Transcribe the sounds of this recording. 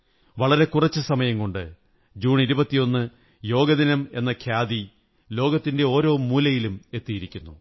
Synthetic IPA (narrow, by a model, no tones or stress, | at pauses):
ʋɐɭɐɾe̞kurɐt͡ɕːɨsɐmɐjɐmko̞ɳɖɨ̰ | d͡ʑuːɳiɾubɐt̪ːijo̞nːɨ | jo̞ːɡɐðinɐme̞nːɐkʰjaːd̪i | lo̞ːɡɐt̪ːinde̞o̞ːɾo̞ːmuːlɐjilume̞t̪ːijiɾikʲːunːṵ